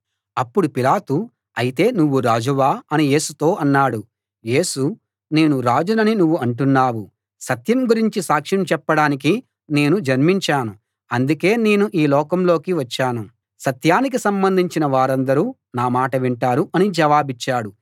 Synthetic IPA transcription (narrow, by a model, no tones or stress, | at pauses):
ɐpːuɽupilaːt̪u | ɐjit̪e̞ːnuʋːuɾaːd͡ʒuʋaːɐnije̞ːsut̪o̞ːʔɐnːaːɽu | je̞ːsu | ne̞ːnuɾaːd͡ʒunɐninuʋːuɐɳʈunːaːwu | sɐt̪jɐmɡuɾiɲt͡ʃisaːkʂɐmt͡ʃɛpːɐɽaːnik̬i | ne̞ːnud͡ʒɐɾmiɲt͡ʃaːnu | ɐnd̪uke̞ːne̞ːnuʔiːlɔːkɐmlo̞ːkiʋɐt͡ʃːaːnu | sɐt̪jaːnik̬isɐmbɐnd̪ʱiɲt͡ʃinɐʋaːɾɐnd̪ɐɾuː | naːmaːʈɐʋiɳʈaːɾuʔɐnid͡ʒɛʋaːbit͡ʃːaːɽu